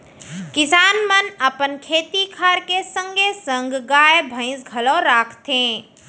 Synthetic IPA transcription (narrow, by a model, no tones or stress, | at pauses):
kɪsaːnmənəpənkʰeːt̪ikʰaɾkesə̃ŋɡʱesə̃ŋɡɡaebʱə̃ɪ̃sɡʱəlɔ̃ɾaːkʰt̪ẽ